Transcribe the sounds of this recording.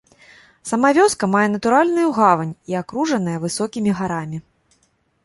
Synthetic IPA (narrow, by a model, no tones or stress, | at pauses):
sɐmavʲɔskɐmajɛn̪ɐt̪uɾalʲnujuɣavɐnʲiakɾuʐɐn̪ɐjɐvɨsɔkʲimʲiɣaɾamʲi